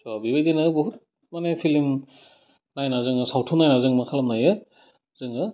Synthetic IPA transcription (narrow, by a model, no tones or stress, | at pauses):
sɔbibejdinɯbuɦuɾ | manepʰilim | najnazɯŋɯsawtʰunajnazɯŋmakʰalamnajɯ | zɯŋɯ